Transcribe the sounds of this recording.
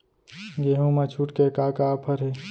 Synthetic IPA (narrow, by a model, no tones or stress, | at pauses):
ɡeːɦũmat͡ʃʰuʈkekaːkapʰəɾɦe